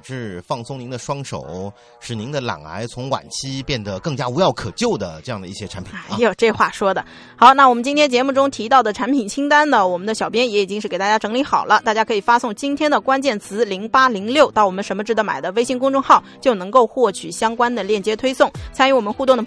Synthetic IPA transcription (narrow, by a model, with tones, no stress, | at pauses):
ʂɻ̩˥˧fɑ˥˩ŋsʊ˥ŋni˧˥ŋd̪ə˨˧ʂwɑ˥ŋʂo̰˨˩˦ʊ | ʂɻ̩˨˩ni˧˥ŋd̪ə˧la̰˨˩ŋla̰˧˥ɪt͡sʰʊ˧˥ŋwa̰˨˩nt͡ɕʰi˥pjɛ˥˩nd̪ə˩kɤ˥˩ŋt͡ɕja˥u˧˥jɑ˥˩ʊkʰɤ˨˩t͡ɕjo˥˩ʊd̪ə˩ʈ͡ʂɤ˥˧jɑ˥˩ŋd̪ə˧i˥˩ɕjɛ˥ʈ͡ʂʰa˧˥npʰi˨˥˩jo˥˩ʈ͡ʂɤ˥˧˩xwa˥˩ʂwɔ˥d̪ə˨ | xɑ˧˥ʊna˥˩wɔ˨˩mə˦nt͡ɕi˥nt̪ʰjɛ˥nt͡ɕjɛ˧˥mu˥˩ʈ͡ʂʊ˥ŋt̪ʰi˧˥t̪ɑ˥˩ʊd̪ə˩ʈ͡ʂʰa˧˥npʰi˨˩nt͡ɕʰi˥ŋt̪a˥nnə˨wɔ˨˩mə˦nd̪ə˧ɕjɑ˨˩ʊpjɛ˥njɛ˧˥i˨˩t͡ɕi˥ŋʂ̩˥˩ke˨˩ɪt̪a˥˩ja˥ʈ͡ʂɤ˧˥ŋli˧˥xɑ˨˩ʊlə˦t̪a˥˩t͡ɕja˥kʰɤ˧˥i˨˩fa˥sʊ˥˩ŋt͡ɕi˥nt̪ʰjɛ˥nd̪ə˨kwa˥nt͡ɕjɛ˥˩nt͡sʰɹ̩˧˥li˧˥ŋpa˥li˧˥ŋljo˥˩ʊt̪ɑ˥˩wɔ˨˩mə˦ʂə˧˥mə˧ʈ͡ʂɻ̩˥˩ə˧˥ma˨˩ɪd̪ə˦we˥ɪɕi˥ŋkʊ˥ŋʈ͡ʂʊ˥˧ŋxɑ˥˩ʊt͡ɕjo˥˩ʊnɤ˧˥ŋko˥˧ʊxwɔ˥˩t͡ɕʰy˨˩ɕjɑ˥ŋkwa˥nd̪ə˨ljɛ˥˩nt͡ɕjɛ˥t̪ʰwe˥ɪsʊ˥˩ŋt͡sʰa˥ny˧˥wɔ˨˩mə˦nxu˥˧t̪ʊ˥˩ŋd̪ə˩